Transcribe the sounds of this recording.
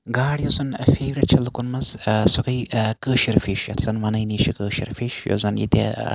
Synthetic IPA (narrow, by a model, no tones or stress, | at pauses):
ɡaːɽjɐzɐnfeːʋɾet̪̚t͡ʃʰɐlɐkunmɐzsukɐjkəːʃiɾfiʃjɐ̰t̪ʰsɐnʋɐnɐjniːʃikəːʃḭɾfiʃjo̰zɐnjḭt̪ʲḛ